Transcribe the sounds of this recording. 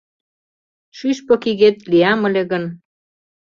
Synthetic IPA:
ʃyʃpŏkiɣet̪liɑmə̆lʲeɣə̆n

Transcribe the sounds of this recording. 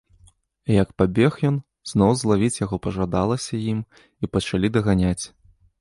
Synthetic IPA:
jɐkpabʲɛxjɔn | znɔwzlˠavʲit͡sʲjaɣɔpɐʐad̪alˠɐsʲɐjim | ipɐt͡ʂalʲid̪ɐɣanʲat͡sʲ

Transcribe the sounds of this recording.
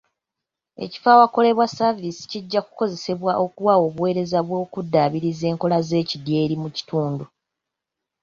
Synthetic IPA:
e̞̰ci̥fawako̞le̞βwasavisi̥ciɟːaku̥ko̞ze̞se̞βwaʔo̞kuwawo̞ːβuwe̞ːɾe̞zaβwo̞ːkudːaːβiɾize̞ːŋko̞laze̞ːcidje̞ːɾimuci̥tuːndu

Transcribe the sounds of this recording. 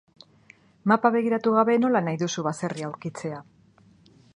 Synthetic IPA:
mapaβe̞ɣiɾat̪uɣ̞aβe̞no̞lanajðusuβase̞riawɾkit͡se̞a

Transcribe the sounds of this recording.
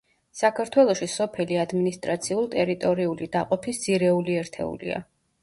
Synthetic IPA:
sakʰaɾt̪ʰwɛlˠɔʃisɔpʰɛliad̪minist̪ʼɾat̪sʰiulˠt̪ʼɛɾit̪ʼɔɾiulid̪aqʼɔpʰisd̪z̥iɾɛuliɛɾt̪ʰɛ̰ṵlḭa̰

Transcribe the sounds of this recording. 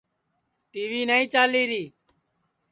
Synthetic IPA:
ʈiːʋiːnəĩːt͡ʃaːliːɾiː

